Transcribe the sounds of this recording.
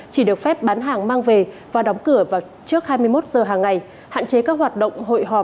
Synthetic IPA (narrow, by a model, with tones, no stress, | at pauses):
t͡ɕi˧˩ɗɨ˨˩ək̚fɛ˦˥p̚ɓaː˨˦nɦaː˨˩ŋmaː˧ŋve˨˩ | vaː˨˩ɗɔ˨˦wŋ͡mkɨ˧˩əvaː˨˩w | t͡ɕɨ˦˥ək̚haː˧jmɨ˧əjmo˦˥t̚zəː˨˩ɦaː˨˩ŋːa˨˩j | ha̰ː˧˨nt͡ɕe˨˦kaː˦˥k̚ɦwaː˨˩t̚ɗə̰˧˨wŋ͡mɦo̰˧˨jɦɔ˨˩